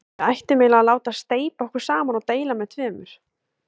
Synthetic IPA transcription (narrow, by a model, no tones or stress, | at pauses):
ajht̪ɪmeːlaalaːwt̪ast̪eːjpaɔhkvʏɾ̥saːmanɔt̪eːjlamɛðt̪ʰvɛːmʏɾ̥